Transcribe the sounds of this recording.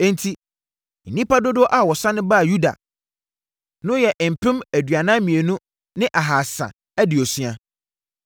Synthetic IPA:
ɛ̃˦ntʰi˦ | n̩˨nĩ˦pa˦do˦dʊ˦ɔ˦ʔa˨wɔ˨sã˦nɪ̃˦ba˦˨ju˦da̰˨ | nʊ̃˦jɛ˨ʔm̩˨pʰɪ̃˦mæ˨dɥa˨nã˦mĩ˨e˨nũ˦ | nɪ̃˦ʔa˨ɦaː˨sã̰˨ | æ˦dɪ˨ɔ˨sɥa˨

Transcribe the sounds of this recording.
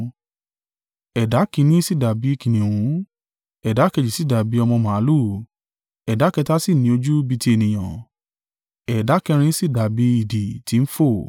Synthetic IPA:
ɛ˨da˨˦kĩ˧˦nĩ˦si˦˨da˨bi˨˦i˦˧kĩ˨nĩ˨wũ˨˦ | ɛ˨da˨˦kɛ˧˨d͡ʒi˨si˦˨da˨bi˨˦ɔ˧mɔ̃˧mã˨a˦lu˦ | ɛ˨da˨˦kɛ˧ta˦si˦˨nĩ˨˦o˧d͡ʒu˦bi˧ti˧˦e˨nĩ˨j̃ã˨ | ɛ˨da˨˦kɛ˧ɾ̃ĩ˧˦si˦˨da˨bi˨˧˦i˦˨di˨ti˨˧˦n̩˦fo˦˨

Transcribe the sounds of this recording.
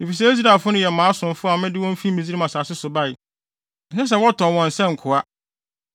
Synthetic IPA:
i˨fi˨s̬ɛ˦e˦z̬i˦ɾa˨fʊ˦nʊ̃˦jɛ˨mãː˨˦sʊ̃˨n˨fʊ˦a˨mɪ̃˦dɪ˦wɔ̃˦m˦fi˦mĩ˨d͡zi˦ɾi˦ã˨saː˨sɪ˦sʊ˨ba˦ɪ˨ | n̩˨sɛ˦s̬ɛ˨˦wɔ˦tʰɔ̃˨wɔ̃˨n̩˨sɛ̃˦ŋ̩˨kʰʊ˨a˦

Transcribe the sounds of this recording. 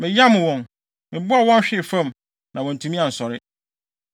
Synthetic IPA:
mɪ̃˨ja˦mʊ̃˨wɔ̃˨n | mɪ̃˨bʊ˦a˨wɔ̃˦n˦ɕᶣɪ˦˨fã˦m | nã˨wɔ̃˨n̩˨tʰũ˨mĩ˦ã˨n̩˨sɔ˨ɾɪ˦

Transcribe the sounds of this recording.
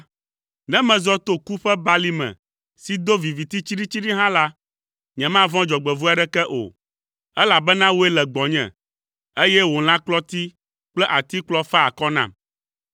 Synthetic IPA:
nɛ̃˦mɛ̃˨zɔ˦t̪o˦ku˦ɸɛ˦ba˦li˦mɛ̰̃˨ | si˨d̪o˦vi˨vi˨t̪i˦t͡ɕi˦ɖi˦t͡ɕi˦ɖi˦ɦã˦la˦ | ɲɛ̃˨mã˦vɔ̃˦d͡ʒɔ˨ɡ͡bɛ˨vu˦a˨ɖɛ˦kɛ˦ʔo̰˨ | ɛ˦la˨bɛ˦nã˦wo˦ɛ˦lɛ˨ɡ͡bɔ̃˨ɲɛ̰̃˨ | e˦jɛ˦wo˨l̃ã˦klɔ˦t̪i˦ | k͡plɛ˦ʔa˨t̪i˦k͡plɔ˦fɛ˦a˨kɔ˦nã̰˨

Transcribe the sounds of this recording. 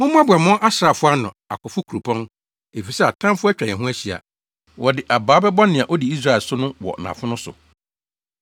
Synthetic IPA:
mʊ̃˦m̃˦a˦bʊ˨a˨mʊ̃˦ʔa˦sɾa˨fʊ˦a˦nʊ̰̃˨a̰˨kʰɔ˨fʊ˦kʰu˨ɾu˨pʰɔ̃˦n | e˨fi˨sɛ˦a˨tʰã˦m˦fʊ˦æ˦t͡ɕᶣɾã˨ɛ̃˨ɦũ˦æ˦ɕi˨a̰˨ | wɔ˨dɪ˨ʔa˨baː˨˦bɛ˦bɔ˦nɪ̃˨ã˨ʔɔ˦di˨i˦s̬ɾa˦˨ɛ˨lsʊ˦nʊ̃˦wɔ̰˨nã̰˨fʊ̃˦nʊ̃˦sʊ̰˨

